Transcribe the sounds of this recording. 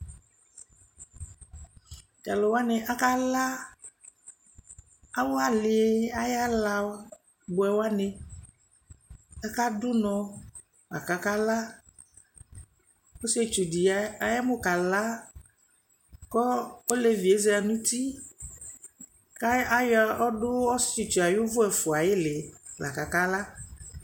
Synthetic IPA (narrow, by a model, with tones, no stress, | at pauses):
ta˨lɔ˨wa˦ne˨ʔa˦ka˦la˦ | a˦wo˦a˨lɪ˨e˦a˦ja˦la˨˦ | bʊ˨ɛ˨wa˦ne˨ | a˦ka˦dʊ˦nɔ̃˨ | a̰˨ka˨ka˦la˦ | o˦se˦t͡ʃu˨di˨a˨a˨ja˦mʊ˦ka˨la˦ | kɔ˦o˦le˦vi˨e˦ze˦a˨nũ˦t̪i˦ | ka˦jɔ˦ɖʊ˦ɔ˦se˨t͡ʃu˨a˨jʊ˦vʊ˦ɛ˨fʊ˨a˨jɪ˦lɪ˨la̰˨ka˨ka˦la˦